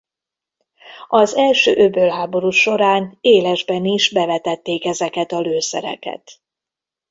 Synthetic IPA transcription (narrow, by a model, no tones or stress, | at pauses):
ɒzɛlʃøːʔøbølɦaːbo̞ɾuːʃo̞ɾaːneːlɛʒbɛniʒbɛvɛt̪ɛt̪ːeːkɛzɛkɛt̪ɒløːsɛ̰ɾɛ̰kɛ̰t̪